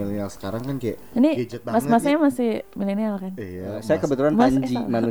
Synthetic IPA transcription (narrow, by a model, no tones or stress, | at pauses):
ilnialsə̥kaɾaŋkankaja | inimasmasaɲamasɪhmilenialkansajakəbət̪ulanmaaɲd͡ʒimanu